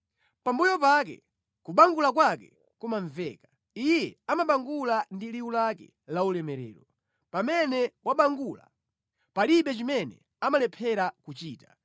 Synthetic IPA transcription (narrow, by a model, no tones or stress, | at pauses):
pambujɔpak̬ɛ̰ | kuɓaŋɡulak̬wakɛ | kumaɱvɛ̰ːkḁ | ijjɛamaɓaŋɡulandiliulakɛ̰ | laulɛmɛɾɛ̰ːɾɔ | pamɛnɛwaɓaŋɡula̰ | paliɓɛt͡ʃimɛnɛ̰ | amalɛpʰɛɾakut͡ʃiːta